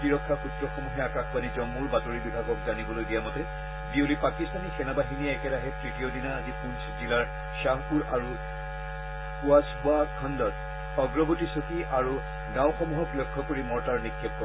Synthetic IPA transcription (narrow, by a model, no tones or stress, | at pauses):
piɹɔkʰːaxutɹɔxɔmuɦɛakaxpanizɔmːuɹbatoɹibibʱaɡɔk̚zanibolojdijamɔtɛ | biulipakistanisɛnabaɦiniɛkɛɾaɦɛtɹitijɔdinaazipũnszilaɹ | ʃaɦkuɹaɹu | kuasbuakʰɔndɔt | ɔɡɹɔbotisokiaɹu | ɡãw̃xɔmuɦɔplɔkʰːɔkoɹimɔɹtaɹnikʰːɛp̚kɔ